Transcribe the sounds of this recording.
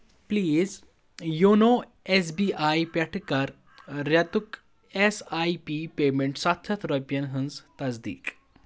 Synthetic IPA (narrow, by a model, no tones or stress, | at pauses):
pliːz | jonoː | es̬biːʔaːjpʲɛʈʰkɐɾ | ɾjɐt̪uk | esaːjpiːpeːmẽɳʈsɐt̪ʰːɐt̪ʰɾopjɐnɦɨnzt̪ɐsd̪ḭːk